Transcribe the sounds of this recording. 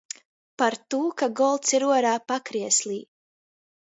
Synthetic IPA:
paɾt̪uːkaɡɔlˠt̪siɾuɔɾaːpakɾiɛslˠiː

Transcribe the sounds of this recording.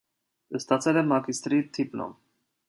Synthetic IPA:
əst̪ɑt͡sʰɛlɛmɑkist̪ɾit̪ʰipnɔ̰m

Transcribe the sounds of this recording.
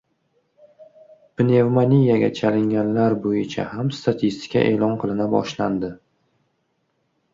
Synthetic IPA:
pɪnevmanʲijaɡʲa̰t͡ʃʰalɪŋʲanlaɾbojɪt͡ʃʰa̰hamst̪at̪ʰist̪ɪ̥kʰʲa̰ʔe̞ːlˠɒnqʰɨlˠɪnabɒ̰ʃland̪ɪ

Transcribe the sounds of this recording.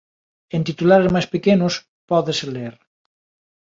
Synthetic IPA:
ent̪it̪ulaɾezmajspekenos | pɔðeseleɾ

